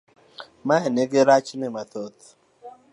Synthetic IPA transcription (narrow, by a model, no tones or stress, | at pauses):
maɦeneɡɪɾat͡ʃnɪmat̪ot̪